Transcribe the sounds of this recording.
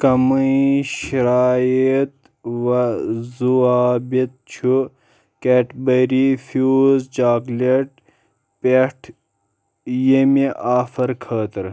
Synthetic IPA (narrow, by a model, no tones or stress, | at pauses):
kɐmɐiɕiɾaːjit̪̚ | ʋɐzuaːbit̪̚t͡ʃʰu | keːʈbɐɾifjuzd͡ʒaːɡleʈ | peʈʰ | jemiʔaːfɐɾkʰəːt̪ɐɾ